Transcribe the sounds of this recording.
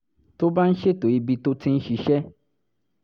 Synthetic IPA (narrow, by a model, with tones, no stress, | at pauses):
to˦ba˦n̩˦ʃe˦to˨i˧bi˧to˦tʰĩ˦n̩˦ʃi˧ʃɛ˦